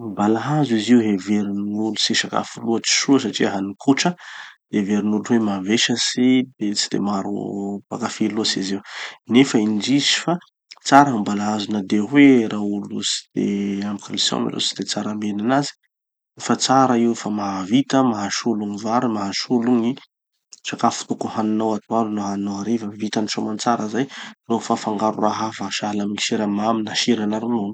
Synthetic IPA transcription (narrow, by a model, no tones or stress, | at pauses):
mbalaɦazuiziuɦeveɾinnulusiʃaka̰fuluət͡si̥ʃuəs̬aʈ͡ʂiaɦanikʰuʈ͡ʂəd̪̥eveɾinuluwemaveʃəsid̪et͡si̥d̪̥ḛmaɾṵpa̰kafilusiziwnefəind͡ʒisi̥fa | t͡saɾambalaɦazunəd̪eɦweɾʔaulṵsi̥d̪̥ḛambukalisa̰mḭlo̰si̥d̪̥et͡saɾamenanazi̥ | efat͡saɾəiwfamaɦavit̪əmaɦaʃuluŋivaɾimaɦaʃuluŋi | t͡ʃakafu̥t̪ukuhaninawat̪ualunaɦaninaaɾivəvit̪aniʃomant͡saɾəzajnofafaŋɡaɾṵraɦavaʃalaminiʃeɾamaminaʃiɾanaɾunoni̥